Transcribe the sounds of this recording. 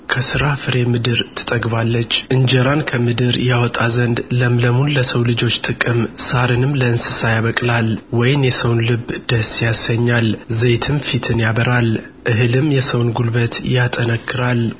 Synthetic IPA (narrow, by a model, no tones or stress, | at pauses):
kʰəsɨɾafɨɾe̞mɨd̪ɨɾt̪ʰɨ̥t̪ʼəɡβalːət͡ʃːʔɨnd͡ʒəɾankʰəmɨd̪ɨɾjawɔt̪ʼazənd̪ləmləmunləsəwlɨd͡ʒo̞t͡ʃːt̪ʼɨkʼɨmsaɾɨnɨmləɨnsɨsajaβəkʼlalwɔjɪnjɛsəwnlɨbːd̪̥əsjasəɲːalzejt̪ʰɨmfit̪ʰɨnjaβəɾal | ʔɨɦɨlɨmjɛsəwnɡulbət̪jat̪ʼənəkːɨɾal